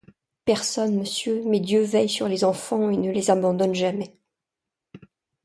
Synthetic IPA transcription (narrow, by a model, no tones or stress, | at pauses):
pɛʁsɔnməsjømɛd̪jøvɛjsyʁlezɑ̃fɑ̃enəlezabɑ̃d̪ɔnʒamɛ